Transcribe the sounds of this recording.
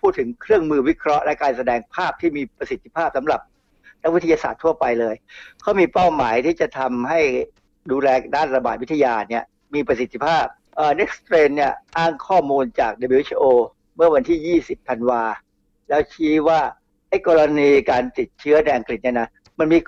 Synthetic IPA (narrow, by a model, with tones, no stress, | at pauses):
pʰuː˥˩t̪ʰːɯ˩˦ŋkʰɾɯ˥˩əŋmɯː˧wi˦˥kʰɾɔ˦˥ʔlɛ˦˥kaː˧nsa˧dɛː˧ŋpʰaː˥˩p̚t̪ʰiː˥˩miː˧pɾa˧si˨˩t̪ʰːi˧˥pʰaː˥˩p̚sa˩˦mɾa˨˩p̚ | na˦˥wi˦˥t̪ʰːja˧saː˨˩t̪ʰːu˥˩ɐpa˧jlɤː˧jkʰa˦˥wmiː˧pa˥˩wmaː˩˦jt̪ʰiː˥˩t͡ɕa˨˩t̪ʰa˧mɦa˥˩j | duː˧lɛː˧daː˥˩nɾa˧baː˨˩t̪̚wi˦˥t̪ʰːa˧jaː˧ni˥˩ɐ | miː˧pɾa˧si˨˩t̪ʰːi˦˥pʰaː˥˩p̚ | ʔəː˨˩ne˦˥k̚st̪ɾeː˧nːi˥˩ɐʔaː˥˩ŋkʰɔː˥˩muː˧nt͡ɕaː˨˩k̚de˧biː˧wt͡ɕʔoː˧ | mɯ˥˩ɐwa˧nt̪ʰiː˥˩jiː˥˩si˨˩pʰːa˧nwaː˧ | lɛː˦˥wt͡ɕʰiː˦˥waː˥˩ | ʔa˥˩jkɔː˧ɾa˧niː˧kaː˧nt̪i˨˩t̪̚t͡ɕʰɯ˦˥ɐna˧jʔa˧ŋkli˨˩t̪̚ni˥˩na˦˥ | ma˧nmiː˧